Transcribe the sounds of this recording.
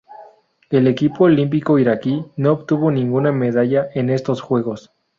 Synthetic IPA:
e̞le̞kipo̞ːlimp̬iko̞iɾakino̞oβt̪uβo̞nĩŋɡuname̞ð̞aʝaʔe̞ne̞st̪o̞sxwe̞ɣo̞s

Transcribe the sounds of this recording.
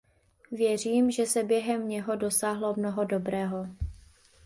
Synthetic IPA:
vjɛr̝iːmʒɛsɛbjɛɦɛmɲɛɦo̞do̞saːɦlo̞mnoɦo̞do̞bɾɛːɦo̞

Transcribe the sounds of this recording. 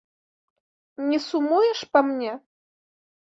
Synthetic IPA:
nʲisumujəʃpɐmnʲe

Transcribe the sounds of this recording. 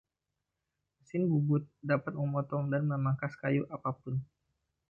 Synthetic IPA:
məsɪnbubʊt̪̚dapat̪̚məmɔt̪ɔŋdanməmaŋkaskajuʔapapʊn

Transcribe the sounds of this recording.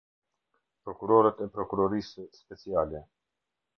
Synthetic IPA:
pɾɔkuɾɔɾɛt̪ɛpɾɔkuɾɔɾisspɛt͡sialɛ

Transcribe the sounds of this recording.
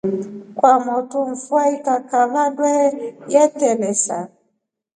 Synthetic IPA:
kwamɔtuɱ̩fuaitakaladwɛjɛtɛlɛsa̰

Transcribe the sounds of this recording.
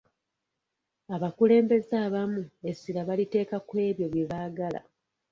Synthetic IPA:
aβakule̞ːmbe̞zaːβamuesilaβalite̞ːkakwe̞ːβjo̞βje̞βaːɡala̰

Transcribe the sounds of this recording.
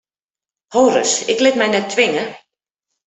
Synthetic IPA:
howrə̰sɪklɪtmɛjnɛtʰːʋɪŋə

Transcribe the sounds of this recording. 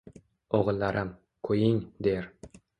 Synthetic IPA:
oʁɨlˠːaɾʔam | kʰɵjɪŋd̪eɾ

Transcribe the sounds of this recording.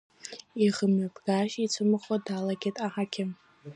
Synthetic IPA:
iʁəmakʼɡaʃit͡sʷʰɨmɨχʷadalaɡʲetʼaħakʲʰɪ

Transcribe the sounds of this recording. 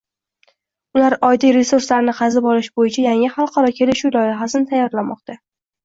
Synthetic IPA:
ʊlaɾɒjd̪ijɾe̞suɾslaɾnɪqʰɑzɪbɒlɪʃbojɪt͡ʃʰajaŋɪχalˠqʰɑɾɒkʲʰe̞lɪʃulˠɒjɪɦasɪnɪt̪ʰajːɒɾlamɒqt̪a

